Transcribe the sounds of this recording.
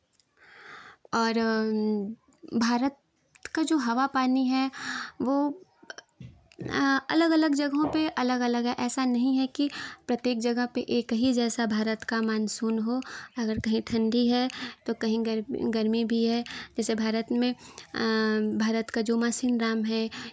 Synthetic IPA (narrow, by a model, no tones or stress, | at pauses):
ɔːɾ | bʱaːɾət̪ | kad͡ʒoːɦɐʋapaːniɦɛʋoː | ɐ̰ləɡɐləɡd͡ʒɐɡɦõpeʔɐləɡɐləɡɦɛʔɛːsanɐɦĩɦɛkipɾɐt̪jeːkd͡ʒɐɡəɦpeʔeːkɦid͡ʒɛːsabʱaːɾət̪kamaːnsuːnɦoɐɡəɾkɐɦĩʈ̪ʰɐ̃ɳɖʱiɦɛt̪okɐɦĩɡəɾɡɐɾmibʱiɦɛd͡ʒɛːsebʱaːɾət̪mẽ | bʱaːɾət̪kad͡ʒoːmaːsiːnɾaːmɦɛː